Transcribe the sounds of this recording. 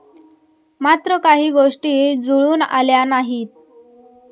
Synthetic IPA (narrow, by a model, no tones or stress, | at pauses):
mat̪ɾəkaɦiːɡoʂʈiːd͡zuɭuːna̰ljanaɦiːt̪̚